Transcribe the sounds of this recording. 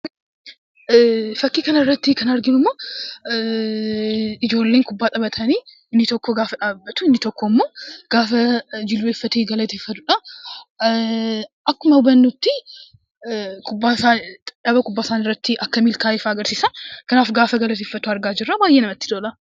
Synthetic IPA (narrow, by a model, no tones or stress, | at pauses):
fɐkːiːkɐnɐɪrːɐt̪ːɪkɐnɐɾɡɪnʊmːo̞ː | ɪd͡ʒo̞ːlːe̞ːŋkʊbːaːt̪ʼɐbɐt̪ʰɐniː | ɪnːɪt̪ɔkːɔɡaːfɐᶑaːbːɐt̪ʊɪnːɪt̪ɔkːoɪmːo̞ːɡ̥aːfɐd͡ʒɪlːueːfːɐt̪eːɡɐlɐt̪eːfːɐt̪ʊᶑɐ | ʔɐkːʊmɐbɐnːut̪ːɪ | kʰʼʊbːaːsaᶑɐbɐkʼʊbːaːsaːnɪrːɐt̪ːɪʔɐkːɐmɪlkaːɪfaːɐɡɐɾsiːsɐkɐnaːfɡaːfɐɡɐlɐt̪̬eːfːɐt̪ːʊɐɾɡaːd͡ʒɪrːabaːjːenɐmɐt̪ːɪd̪oːlɐ